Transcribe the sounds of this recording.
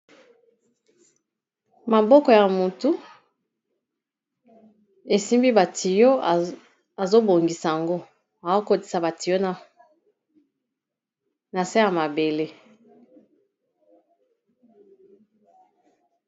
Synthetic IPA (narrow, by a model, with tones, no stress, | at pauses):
ma˨bɔ˦kɔ˨ja˨mu˨tu˦ | e˨si˦mbi˦ba˨ti˨jo˦˨ | a˨zo˦bo˨ŋɡi˨sa˨ja˨ŋɡo˦ | a˨zo˦ko˨ti̥˨sa˨ba˨ti˨jo˦na˦ | na˨sa˦ja˨ma˨be˨le˦